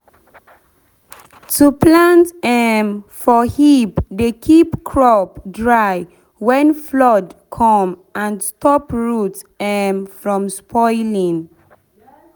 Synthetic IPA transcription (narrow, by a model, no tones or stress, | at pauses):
tʰuplãntɛmfɔhipdekʰipkʰɹɔpdɹaj | wɛ̃nflɔdkʰɔ̃mãnstɔpɹut | ɛmfɹɔ̃mspʰɔɪlĩŋ